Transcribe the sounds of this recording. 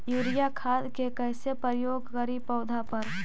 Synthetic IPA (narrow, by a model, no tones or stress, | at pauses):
juːɾijakʰaːd̪kekɛɪsepəɾjoːɡkəɾipəʊd̪ʱapɐɾ